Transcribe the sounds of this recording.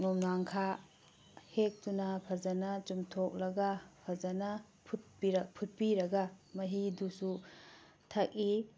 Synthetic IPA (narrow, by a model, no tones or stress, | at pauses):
numnaŋkʰa | hek̚tunapʰazanat͡ʃumtʰok̚lɐɡapʰazana | pʰut̚piɾɐpʰut̚piɾɐɡamɐɦidusu | tʰak̚i